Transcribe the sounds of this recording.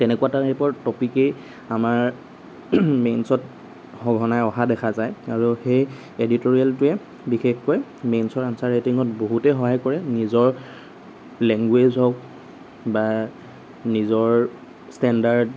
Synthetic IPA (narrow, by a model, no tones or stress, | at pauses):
tɛnɛkuataepɔɹtɔpikej | amaɹ | mensɔt | hɔɡʱɔnajɔɦadɛkʰazajaɹuxej | editoɹialtʊɛ | bixexkɔjmensɔɹansaɹetiŋɔt̚boɦutɛxɔɦajkɔɹɛnizɔɹ | lɛŋɡwezɔk̚ | ba | nizɔɹ | stɛndaɹd